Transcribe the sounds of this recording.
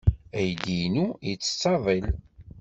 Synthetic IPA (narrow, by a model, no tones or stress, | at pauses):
æjd̪inujit͡sːə̥t͡sːɑðˤil